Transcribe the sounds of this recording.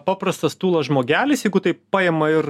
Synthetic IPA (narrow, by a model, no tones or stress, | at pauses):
pɑːpɾɐst̪ɐst̪uːlˠɐsʒmoːɡʲæːlʲɪsjɛɪɡʊt̪ɐɪpɑːjeːmɐɪɾ